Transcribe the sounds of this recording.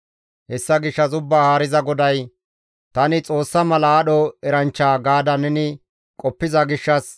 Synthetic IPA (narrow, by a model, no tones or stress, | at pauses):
hɛsːɐɡɪʃːɐzʊbːaːhaːɾɪzɐɡɔd̪ɐj | t̪ɐnɪt͡sʼo̞ːsːɐmɐlɐːɗɔɛɾɐnt͡ʃːaːɡaːd̪ɐnɛnɪ | kʼɔpːɪzɐɡɪʃːɐs